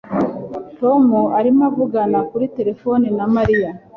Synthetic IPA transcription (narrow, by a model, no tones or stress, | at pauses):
to̞muaɾimavuɡanakuɾite̞ɾe̞fo̞ninamaɾija